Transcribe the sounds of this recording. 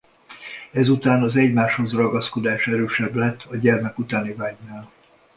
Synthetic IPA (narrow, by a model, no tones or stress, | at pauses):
ɛzut̪aːnɒzɛɟmaːʃho̞zrɒɡɒsko̞d̪aːʃɛɾøːʃɛblɛt̪ːɒɟɛrmɛkut̪aːnivaːɟnaːl